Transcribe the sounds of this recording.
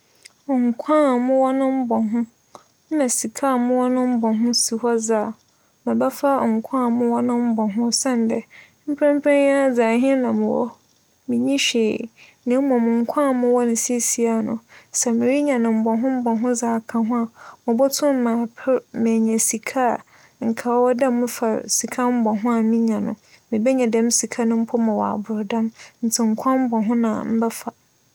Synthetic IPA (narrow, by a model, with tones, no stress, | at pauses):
ŋ̩˨kʷʰã˦˨mʊ̃˦wɔ˦nʊ̃˦m̩˦bɔ˨ɦʊ̃˦ | nã˨si˨kʰa˦˨mʊ̃˦wɔ˦nʊ̃˦m̩˦bɔ˨ɦʊ̃˦si˨hɔ˦d͡za˨ | mɪ̃˨ba˦fa˦˨ŋ̩˨kʷʰã˦˨mʊ̃˦wɔ˦nʊ̃˦m̩˦bɔ˨ɦʊ̃˦sa˦n˨˦dɛ˨ | m̩˦pʰɾɛ̃˦m̩˦pʰɛ̃˦nja˦˨d͡zaː˨ɦɪ̃˦nã˨mʊ̃˨wɔ̰˦ | mĩ˨ɲĩ˦ɕe˨ | nã˨˦mɔ̃˨mʊ̃˨ŋ̩˨kʷʰã˦˨mʊ̃˦wɔ˦nʊ̃˨si˦e˦si˨a˨nʊ̰̃˨sɛ˨mɪ̃˨ɾi˦ɲã˨nʊ̃˨m̩˨bɔ˨ɦʊ̃˦m̩˦bɔ˨ɦʊ̃˦d͡zaː˨kʰã˨ɦʊ̃˦a˨mʊ̃˨bɔ˦tʰʊ̃˦m˦mã˨pʰɛ˦mɛ̃˨ɲɛ̃˨si˨kʰa˦˨ | ŋ̩˨kʰa˨˦wɔ˦dã˦mmʊ̃˦fa˨si˨kʰa˦m̩˦bɔ˨ɦʊ̃˦a˨mĩ˦ɲã˨nʊ̰̃˨ | mɪ̃˨bɛ˦ɲã˨dɛ̃˦msi˨kʰa˦nʊ̃˦m̩˦pʰɔ˦mã˨wɔ˨a̰˨bʊ˨ɾdã˦mn̩˨tʰɪ˨ŋ̩˦kʷʰã˦m̩˦bɔ˨ɦʊ̃˦nã̰˨m̩˦bɛ˦fa˨